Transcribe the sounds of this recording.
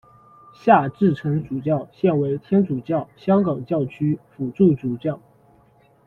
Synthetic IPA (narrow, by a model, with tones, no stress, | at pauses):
ɕja˥˧ʈ͡ʂɻ̩˥˩ʈ͡ʂʰɤ˧˥ŋt͡su˨˩t͡ɕjɑ˥˩ʊɕjɛ˥˩nwe˧˥ɪt̪ʰjɛ˥nt͡su˨˩t͡ɕjɑ˥˩ʊɕjɑ˥ŋkɑ˨˩ŋt͡ɕjɑ˥˩ʊt͡ɕʰy˥fu˨˩ʈ͡ʂu˥˩t͡su˨˩t͡ɕjɑ˥˩ʊ